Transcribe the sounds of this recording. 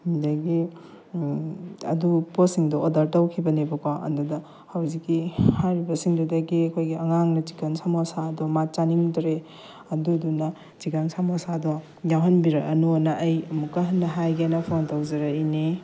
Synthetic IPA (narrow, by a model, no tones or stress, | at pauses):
hindɐɡi | ɐ̰duposiŋdɔodɐɾtɐwkʰibɐnibɐkɔɐ̰ndudɐ | hɐwzikːihajɾibɐsiŋdudɐɡiɐkʰojɡiɐŋaŋnɐd͡ʒikɐnsamasaːdɔmat͡ʃaniŋdɾe | ɐdudunɐ | t͡ʃikansamasadɔ | jawɦɐnbiɾaɐnunaʔːjɐmukːɐɦɐnːɐɦajɡanapʰontawzɐɾaini